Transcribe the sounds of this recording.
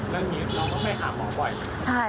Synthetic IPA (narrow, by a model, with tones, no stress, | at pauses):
lɛː˦˥niː˦˥ɾa˧t̪ɔ˥˩ma˥˩jʔʰaː˨˩˦mɔː˨˩˦wa˧˩j | t͡ɕʰa˥˩